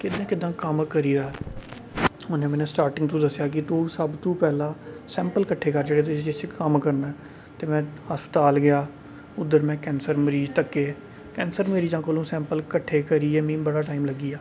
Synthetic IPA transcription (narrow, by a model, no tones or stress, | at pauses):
kɪd̪ãːkɪd̪ːãːkəmkəɾiːɾaː | ʊn̤ẽːmɛːnẽːsʈaːɾʈɪ̃ŋɡt̪ũːd̪əsːjaːk̬ɪt̪uːsəbt̪ũːpɛːlãːsɛ̃ːmpəlkəʈʰːeːkəɾd͡ʒəɽeːt̪ʊid͡ʒɪsekəmkəɾnaːɛ | t̪eːmɛ̃ːhəspə̥t̪aːlɡɪjaː | ʊd̪əɾmɛ̃ːkɛ̃ːnsəɾməɾiːd͡ʒt̪əkːeː | kɛ̃ːnsəɾməɾiːd͡ʒãːkoːlũːsɛ̃ːmpəlkəʈʰːeːkəɾiːɛːmĩːbəɽaːʈaːimləɡiːaː